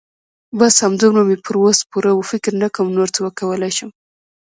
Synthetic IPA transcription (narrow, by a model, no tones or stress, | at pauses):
bashamd̪unamepəɾwospuɾawəfɪkɾnakəmnoɾt̪awəkawəlajʃəm